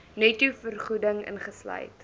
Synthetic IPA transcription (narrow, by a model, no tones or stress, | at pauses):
nœtufərχudəŋə̰nχəslœ̰jt